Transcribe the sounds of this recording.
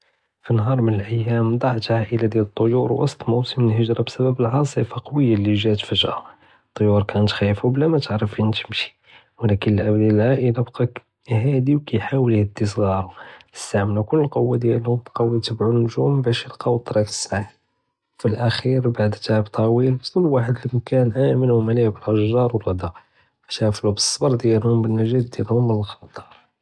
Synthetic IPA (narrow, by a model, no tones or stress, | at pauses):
finɦɑɾˤmənəlʔəjːæmd̪ˤɑʕt̪ʕaʔəlad̪jælət̪ˤːojuɾwɑ̰sˤt̪ˤmuwsəməlhəʒɾˤɑbsæbæbəlʕɑsˤifɑqɑwəjːaliʒæt̪fəʒʔa | t̪ˤːojuɾkænt̪xæjfublæmæt̪əʕɾəfint̪əmʃi̥ | wlækənəlʔæd̪ællʕaʔəlabqɑ | hæd̪iwkæjħawəlhəd̪ːisˤɣɑɾˤɑə̥st̪aʕməlnukʊlːəlqowːad̪jælhʊmqɑwːit̪əbʕunːʊʒumbæʃəlqɑwt̪ˤːɾˤɑfə̥sːaħ | filʔæxiɾbaʕd̪t̪aʕəbt̪ˤʰɑwilt̪lːwaħəd̪ləmkænʔæmənumælibəlʔɑʒɑɾˤwərˤɑd̪ɑ | ft̪æflubəsˤːbɑɾˤd̪jælhʊmbənːæʒæt̪̚d̪jælhʊmːənəlxɑt̪ˤɑ̥ɾˤ